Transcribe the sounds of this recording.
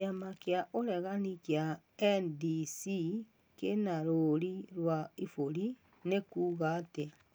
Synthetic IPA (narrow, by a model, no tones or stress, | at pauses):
amakjaʔoɾɛɣanikja | ɛndisi | kenaɾoɾiɾwaifoɾi | nekuːɣate